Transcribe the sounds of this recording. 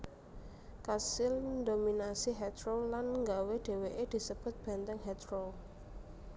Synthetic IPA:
kasɪld̪ominasiɦɛt̪ɾollanŋɡaweɖ̪̥e̤weʔed̪̥i̤səb̥ʊ̤t̪̚b̥ɛ̤nt̪ɛŋhɛt̪ɾol

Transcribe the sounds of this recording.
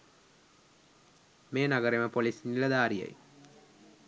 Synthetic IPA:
meːnaɡəɾeməpolisinilɐd̪aːɾijḛj

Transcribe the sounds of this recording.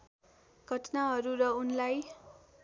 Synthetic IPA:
ɡ̥ʱʌʈnaɦʌɾurʌunlaj

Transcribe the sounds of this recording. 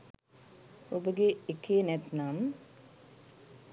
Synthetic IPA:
obəɡeekʰeːnɛt̪nam

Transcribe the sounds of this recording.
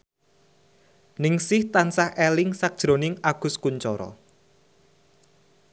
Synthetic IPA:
nɪŋsɪht̪ansahʔelɪŋsak̚d̥ʒ̥ɾo̤nɪŋaɡ̥ʊ̤skuɲt͡ʃɔɾɔ̰

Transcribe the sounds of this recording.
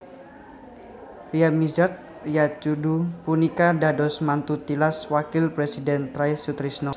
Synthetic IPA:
riamizart̪̚ | rijat͡ʃudupunikadadɔsmant̪ut̪ilaswakɪlpɾesidɛnt̪ɾajsut̪ɾisnɔ

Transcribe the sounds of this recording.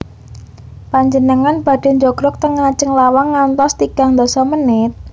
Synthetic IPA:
paɲd͡ʒənəŋanb̥a̤ɖ̥e̤ɲd͡ʒoɡ̥ɾɔk̚t̪əŋɾat͡ʃəŋlawaŋːant̪ɔst̪ikaŋd̪osɔmənɪt̪̚

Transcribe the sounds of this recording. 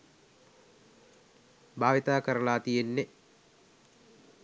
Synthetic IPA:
baːʋit̪aːkəɾəlaːt̪ijenːe

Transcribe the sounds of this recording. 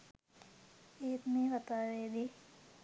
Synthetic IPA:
eːt̪meːʋat̪aːʋeːd̪i

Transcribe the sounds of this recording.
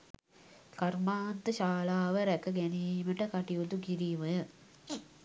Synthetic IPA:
karmaːnt̪əʃaːlaːʋəɾækəɡæniːməʈəkaʈijot̪ukiɾiʋə

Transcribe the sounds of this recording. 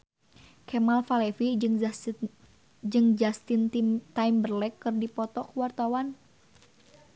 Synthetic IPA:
kɛmalfalɛfi | d͡ʒɨŋd͡ʒast̪int̪mt̪aimbərlɛkːɨrdipɔt̪ɔkuwart̪awan

